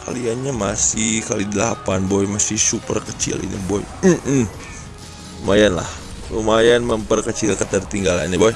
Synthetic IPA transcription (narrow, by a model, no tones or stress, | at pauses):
ka̰lianɲamasɪhkalidilaɦapanbojmasɪhsupərkət͡ʃɪ̰lḭnḭboj̰m̩ | majanla̰h | umajanməmpərkət͡ʃɪlkət̪ərt̪iŋɡala̰niboj